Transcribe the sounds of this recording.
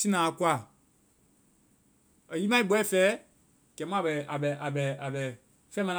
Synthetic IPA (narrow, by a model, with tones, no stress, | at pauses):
si˦nãː˨˦˨kwa˦˨ | ə˨ji˦mã˦i˦ɓɛ˦˨fɛ˦ | kɛ˨˦mã˦˨bɛ˨a˨bɛ˨ʔa˨bɛ˨a˨bɛ˨ | fɛ˦mã˧˦